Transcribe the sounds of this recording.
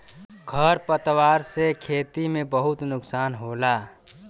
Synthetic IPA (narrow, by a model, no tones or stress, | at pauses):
ɡʱəɾpət̪waːɾsekʰeːt̪imẽbəɦʊt̪nʊksaːnɦoːla